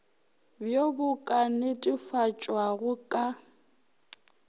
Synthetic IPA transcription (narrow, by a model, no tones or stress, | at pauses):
bjobʊkʼanɪtʼifat͡ʃʼwaɣʊkʼa